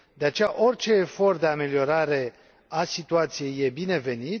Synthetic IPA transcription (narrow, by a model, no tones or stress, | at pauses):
d̪e̞at͡ʃe̞jaʔo̞rʲt͡ʃe̞ːfo̞rt̪̚d̪e̞ame̞lio̞ɾaɾe̞ | asit̪uat̪sije̞jːe̞bine̞ve̞nit̪